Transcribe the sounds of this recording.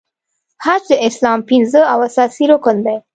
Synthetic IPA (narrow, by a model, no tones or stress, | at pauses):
haɾt͡ʃəɪslɑmpɪnzəawasɑsiɾokənd̪aj